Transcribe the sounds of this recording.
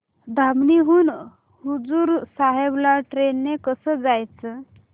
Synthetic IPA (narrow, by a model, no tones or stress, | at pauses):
d̪ʱamniɦuːn | ɦud͡zuɾsaɦeblaʈɾenːekəsəd͡zajt͡sə